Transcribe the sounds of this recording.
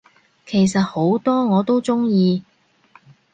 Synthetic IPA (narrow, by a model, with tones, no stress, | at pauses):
kʰe˨˩jsɐ˨t̚ho˨˥wt̪ɔː˥ŋɔː˨˧t̪o˥wt͡sʊ˥ŋjiː˧